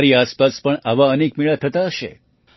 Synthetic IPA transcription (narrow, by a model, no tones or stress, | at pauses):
ɾiaspaspəɳaʋaənekmiɭat̪ʰət̪aəʃḛ